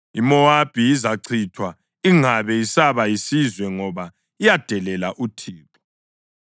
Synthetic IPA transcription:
imɔab̥ʱiizaǀʰitʰwa | iŋaβɛisaβajisizwɛŋɔβa | ijad̥ʱɛlɛlaʔutʰiːkɔ̥

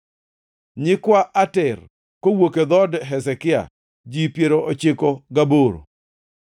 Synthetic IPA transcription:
ɲɪkwaʔatɛr | kowoked̪ɔdɦɛsɛkɪa̰ | d͡ʒipjeɾoot͡ʃɪkɔɡaboɾo̰

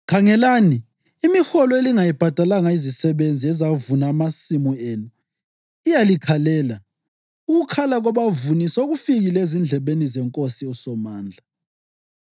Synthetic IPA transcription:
kʰaŋɛlaniː | mixɔlɔeliŋajib̥ʱad̥ʱalaŋaizisɛβend͡zʱiɛzavunaːmasimueːnu | ijalikʰalɛːla | uɣukʰalaɣɔβavunisoɣufiɣilezind͡ɮʱɛβenizɛŋkʼosiɔsɔmaːnd͡ɮʱa

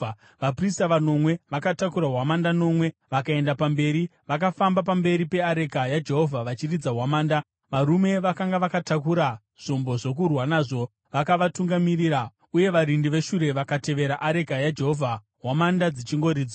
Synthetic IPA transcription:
ʋapristaʋano̞mwe̞ʋakatakuɾaɦwamandano̞mwe̞ʋakae̞ndapambe̞ːɾiʋak̬afambap̬ambe̞ɾipe̞aɾe̞ɡʱajad͡ʒe̞ɦo̞vʱaʋat͡ʃirid͡zaɦwamaːnda | ʋaɾume̞ʋakaŋɡaʋakatakuɾa | ʐ̥o̞mbo̞ʐo̞k̬urwanaːʐo̞ | ʋakaʋatuŋɡamiriːɾa | uje̞ʋaɾindiʋe̞ʃuɾe̞ʋakate̞ʋe̞ɾaʔaɾe̞ɡʱajad͡ʒe̞ɦovʱa | ɦwamandad͡zit͡ʃiŋɡo̞ɾiːd͡zo

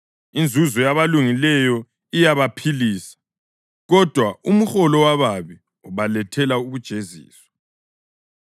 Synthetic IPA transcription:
ind͡zʱuzɔjaβaluŋilɛjɔ | ijaβapʰiliːsḁ | ɣɔd̥ʱwaumuxɔlɔwaβaβi | ɔβalɛtʰɛlauβud̥ʒ̥ʱezḭːswɔ̥

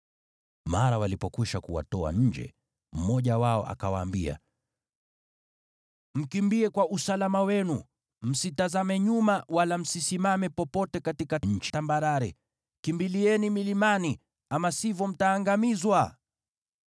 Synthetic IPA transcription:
maɾawalipɔkiʃakuwa̰tɔa̰ɲ̩d͡ʒɛ̰ | m̩mɔʄawaɔ̰ʔa̰kawaːmbia̰ | m̩kimbiɛkwaʔusalamawɛnu | m̩sitazamɛɲumawalam̩sisimamɛpɔpɔtɛkatikaɲ̩t͡ʃtambaɾaɾɛ | kimbiliɛnimilimani | amasivɔm̩taːŋɡamizwa

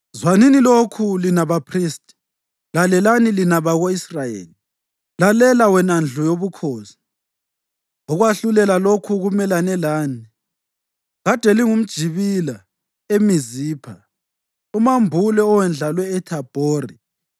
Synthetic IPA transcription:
zwaninilokʰulinaβapʰriːstʰʼi̥ | lalɛlanilinaβaɣoisrajḛːli | lalɛlawɛnand͡ɮʱɔjoβukʰoːsi̥ | ɔɣwaɬulɛlalokʰuɣumɛlanɛlaːni | ɣad̥ʱɛliŋum̩d̥ʒ̥ʱiβila | emiziːpʰa | umambʱulɛɔwɛnd͡ɮʱalwɛːtʰab̥ʱoːri

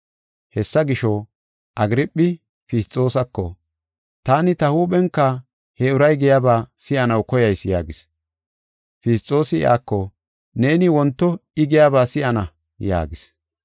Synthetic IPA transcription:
hɛsːɐɡɪʃɔ | ʔɐɡɪɾɪpʼːɪ | fɪst͡sʼːo̞ːsɐkːɔ | t̪aːnɪt̪ɐhuːɓɛŋkːɐ | hɛʊɾɐjɡɛjaːbaːsɪʔɐnɐwkɔjɐjsja̰ːɡɪs | fɪst͡sʼːo̞ːsɪɪ̰ʔa̰ːkːɔ | ne̞ːnɪwɔnt̪ːɔɪɡɪjaːbaːsɪʔɐnɐ | ja̰ːɡɪs

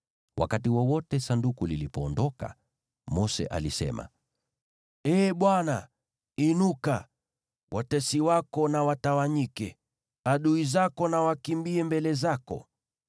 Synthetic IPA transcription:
wʔa̰katiwɔwɔtɛsandukulilipɔːndɔka̰ | mɔsɛ̰ʔa̰lisɛ̰ma̰ | ɛːɓwana | inuka | wʔatɛsiwakɔnawatawaɲikɛ | aɗuizakɔnawakimbiɛmbɛlɛzakɔ̰

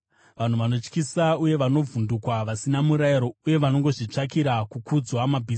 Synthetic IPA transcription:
ʋan̤uʋano̞t͡ʃkisauje̞ʋano̞vundukwaʋasinamuɾajiɾouje̞ʋano̞ŋɡo̞ʐit͡ʂakiɾakukud͡zwamabʱiː

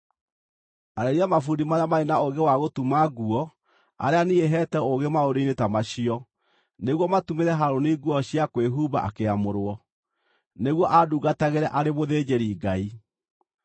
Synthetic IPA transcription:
aɾeɾiamafudimaamaenaoɡewaɣotumaɡuɔ | a̰ɾeanieɦɛtɛoɣemaoɾeinetamaɕiɔ | neɣwɔmatumeɾɛɦaɾoniɡuɔɕiakweɦuβa̰ʔa̰keamoɾwɔ | neɣwɔʔaduɣataɣeɾɛʔaɾeβoðeːd͡ʒeɾiːɡai

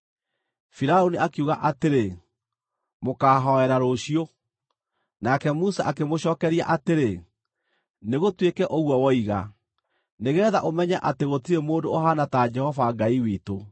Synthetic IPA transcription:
fiɾaoniakuɣaʔateɾe | mokaːɦɔɛɾaɾoɕio | nakɛmusa̰ʔakemoɕɔːkɛɾia̰ʔateɾe | neɣotwekɛʔoɣwɔwɔiɣa̰ | neɣɛːðaʔomɛɲaʔateɣotiɾemoːndoːɦanatad͡ʒɛhɔvaɡaiwito

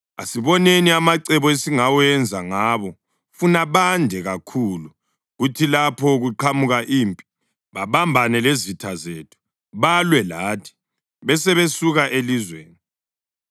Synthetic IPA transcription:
a̰siβɔneniamaǀɛβɔesiŋawɛnd͡zʱaŋaːβɔ | funaβandʱɛɣakʰulu | ɣutʰilapʰɔɣuǃʰamuɣaʔiːmpʼi̥ | βaβambʱanɛlezitʰazeːtʰu̥ | βalwɛlaːtʰi̥ | βɛsɛβesuɣaʔelizwḛːni

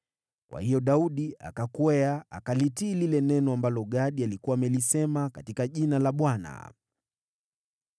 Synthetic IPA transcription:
kwʔa̰hijɔɗauɗia̰kakwɛa̰ːkalitiːlilɛnɛnɔambalɔɠaɗialikuwaːmɛlisɛmakatikaʄinalaɓwana̰

